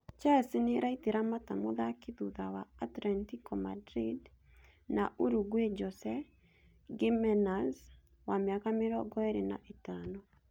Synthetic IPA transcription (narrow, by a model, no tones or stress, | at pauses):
t͡ʃaseneɾaiteɾamatamoðakeðuðawaːtlɛntikɔma̰dɾid | naʔuɾuɡwed͡ʒɔsɛ | ɡemɛnaz | wameakameɾɔɡɔeɾena̰ʔetaːnɔ